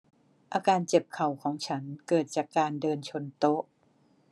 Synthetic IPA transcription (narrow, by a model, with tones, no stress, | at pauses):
ʔaː˧kaː˧nt͡ɕe˨˩p̚kʰa˨˩wkʰɔː˩˦ŋt͡ɕʰa˦˥nkɤː˨˩t̪̚t͡ɕaː˨˩kːaː˧ndɤː˧nt͡ɕʰo˧nt̪o˦˥ʔ